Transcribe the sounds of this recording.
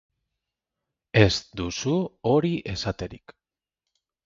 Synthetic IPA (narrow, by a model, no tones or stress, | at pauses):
e̞sd̪usuo̞ɾiʔe̞sat̪e̞ɾḭk